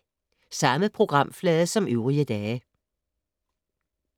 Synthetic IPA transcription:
sɑ̈məpʰʁo̝ɡ̥ʁɑ̈m̰flɛːðˠəsɒ̽myʊʁiəd̥ɛː

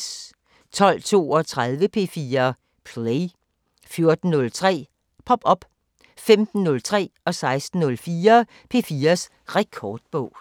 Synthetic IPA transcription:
t͡sʰɒ̽l̰t͡sʰo̝̰ːɒ̽t͡sʰʁað̞ˠʋəpʰe̝fiːɐ | pʰle | fjo̝ɐd̥n̩nɔ̽lt͡sʰʁɛ̰ː | pʰɒ̽b̥ɒ̽b̥ | femd̥n̩ːɔ̽lt͡sʰʁɛ̰ːɒ̽sɑ̈ɪsd̥n̩nɔ̽lfiːɐ | pʰe̝fiːɐs | ʁɛkʰɒːd̥̚b̥ɔ̽ʊ̰

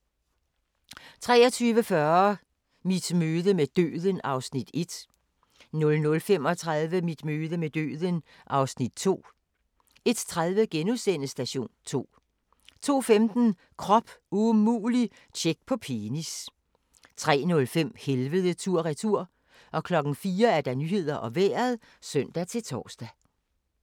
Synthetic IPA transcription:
t͡sʰʁɛ̰ːɐt͡sʰyːʋəfɶɐ | mid̥møːðˠəmed̥ø̰ːðˠənɑ̈ʊsnid̥e̝d̥ | nɔ̽lnɔ̽lfem̰ɒ̽t͡sʰʁaðˠʋəmid̥møːðˠəmed̥ø̰ːðˠən | ʔɑ̈ʊsnid̥̚t͡sʰo̝̰ː | e̝d̥t͡sʰʁaðˠʋəɡ̥enusenəsd̥æɕo̝̰ːnt͡sʰo̝̰ː | t͡sʰo̝̰ːfemd̥n̩ | kʰʁɒ̽b̥umṵːli | t͡ɕʰeɡ̥̚pʰɒ̽pʰenis | t͡sʰʁɛ̰ːnɔ̽lfem̰helʋəð̞ˠət͡sʰuɐ̰ʁit͡sʰuɐ̰ | ʔɒ̽kʰlɒ̽ɡ̥n̩fiːɐæɐd̥ɑ̈nyːhe̝ð̞̰ˠɐʔɒ̽ʋeːɐð̩ˠ | sœn̰d̥æt͡sʰe̝lt͡sʰɒ̰ːsd̥æ

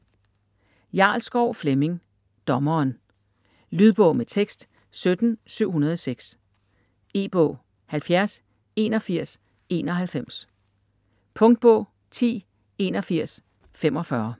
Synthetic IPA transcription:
jɑ̈ːlsɡ̥ɒʊ̰fleme̝ŋ | d̥ɒ̽mɐːn | lyð̞ˠb̥ɔ̽ʊmet͡sʰeɡ̥sd̥ | sød̥n̩syʊ̰ɦunɐðˠɒ̽seɡ̥s | e̝̰ːb̥ɔ̽ʊ̰ | hælfjæɐs | e̝ːnɒ̽fiɐ̰s | e̝ːnɒ̽ɦælfem̰s | pʰɔ̽ŋd̥̚b̥ɔ̽ʊ | t͡sʰḭː | e̝ːnɒ̽fiɐ̰s | femɒ̽fɶɐ

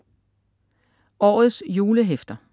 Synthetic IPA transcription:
ɒ̰ːð̩ˠsjuːləɦefd̥ɐ

